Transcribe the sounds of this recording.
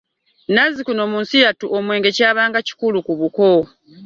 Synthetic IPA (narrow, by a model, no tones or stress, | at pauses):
nazikunoːmuːnsijatuʔomwe̞ːŋɡe̞caːβaːŋɡaci̥kulukuβuko